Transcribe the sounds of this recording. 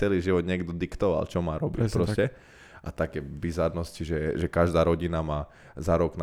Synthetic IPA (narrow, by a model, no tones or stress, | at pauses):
t͡sɛliːʒiʋɔd̪ɲɪɛɡd̪ɔd̪ikt̪ɔʋa̰lt͡ʃɔmaːɾɔbipɾɔscɛ | ʔa̰t̪akɛːbizaɾnɔsciʒɛʒɛkaʒd̪aːɾɔɟinamaː | zaɾɔɡn